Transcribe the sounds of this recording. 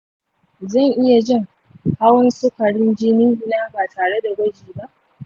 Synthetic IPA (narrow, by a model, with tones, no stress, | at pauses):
zɐ˦˨ɲʔɪ˦ja˨d͡ʒɪ˦˨ŋ | ha˦wɐ˦nsʊ˦kɐ˨ɽɪ˦nd͡ʒɪ˦niː˦ʔɪ˦naː˦baː˨tʰaː˨ɽe˦da˨ɡɐ˦d͡ʒiː˨ba˦ʔ